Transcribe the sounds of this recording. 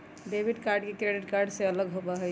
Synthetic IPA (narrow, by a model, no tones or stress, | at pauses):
ɖebʱiɖkaɾɖkekɾeɖiʈkaɾɖseələɡɦobaɦɛ